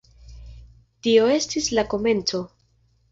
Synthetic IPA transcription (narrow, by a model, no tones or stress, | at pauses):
tio̞e̞stislako̞me̞nt͡so̞